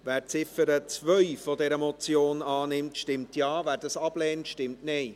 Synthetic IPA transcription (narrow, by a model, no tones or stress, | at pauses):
væːɾt͡sɪfəɾət͡svœʏfodɛɾəmɔt͡sjoːnɑːnɪmtʃtɪmtjɑːvæːɾdɑsɑb̥lɛːntʃtɪmtneː